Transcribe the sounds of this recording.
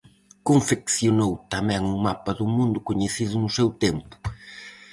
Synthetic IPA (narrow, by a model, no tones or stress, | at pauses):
kõɱfeksjonowt̪ɐmɛ̃ŋʊmapɐðʊmũnd̪ʊkoɲesiðʊnʊsewt̪empʊ̥